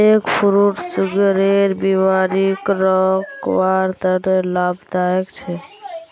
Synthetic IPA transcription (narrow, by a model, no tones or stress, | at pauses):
ekpʰuɾuʈsuɡeɾeɾbimaɾikɾɔkwaɾt̪əɾelabd̪aekt͡ʃʰɛ